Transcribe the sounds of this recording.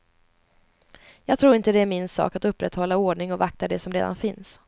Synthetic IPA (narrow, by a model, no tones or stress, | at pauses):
jɑːɡ̚t̪ʰɾuːɾɪnt̪əd̪ɛæɾmɪnsɑ̰ːkat̪ɵpːɾɛt̪hɔlːaoːɖɳɪŋɔvakt̪ad̪ɛsɔmɾḛːd̪a̰nfɪns